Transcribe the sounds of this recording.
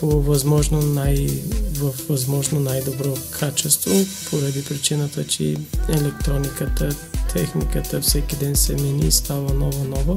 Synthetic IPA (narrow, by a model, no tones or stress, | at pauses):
povɐzmɔʒnonajvəfvɐzmɔʒnonajd̪obɾɔkʰat͡ʃɛst̪vopʰoɾɐd̪ipɾit͡ʃinət̪ət͡ʃɛ̰ɛlɛk̚t̪ɾɔnikət̪ət̪ʰɛxnikət̪əfsɛkid̪ɛnsɛminist̪avənɔvonɔvo